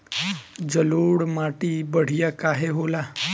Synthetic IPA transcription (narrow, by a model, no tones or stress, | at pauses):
d͡ʒəloɽmaʈibəɽ̤ijakaɦeɦola